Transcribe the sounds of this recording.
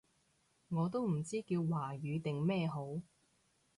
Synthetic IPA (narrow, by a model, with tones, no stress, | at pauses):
ŋɔː˨˧t̪o˥wm̩˨˩t͡siː˥kiː˧wwaː˨˩jyː˨˧t̪ɪ˨ŋmɛː˥˧ɦo˨˥w